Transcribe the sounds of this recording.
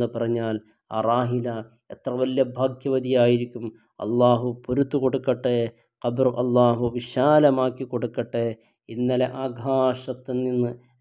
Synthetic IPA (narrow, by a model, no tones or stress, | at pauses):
ɨpɐrɐɲːaːl | a̰ːraːɦilɐ | et̪rɐʋɐljɐbʱaːɡʱjɐʋɐd̪ijaːjiɾikʲːum | ɐ̰lːaːɦupoɾut̪ːuko̞ɽukːɐʈːe | qɐbrɨʔɐlːaːɦuʋiʂaːlɐmaːkːikːo̞ɽukːɐʈːe | inːɐleʔaːɡʱaːʂɐt̪ːɨnːinːɨ